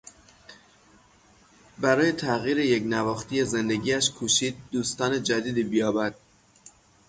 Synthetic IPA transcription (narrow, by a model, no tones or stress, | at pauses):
bæɾɒːjet̪ʰæɣiːɾejeknævɒːxt̪iːjeze̞nd̪eɟiːæʃkʰuːʃiːd̪̚ːuːst̪ɒːne̞d͡ʒæd̪iːd̪iːbijɒːbæd̪̥̚